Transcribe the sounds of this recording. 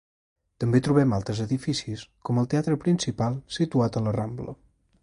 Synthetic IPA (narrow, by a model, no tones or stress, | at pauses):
t̪əmbet̪ɾuβɛmalˠt̪ɾəzəðifisiskɔməlˠt̪eat̪ɾəpɾinsipalˠsit̪uat̪ələramblə̰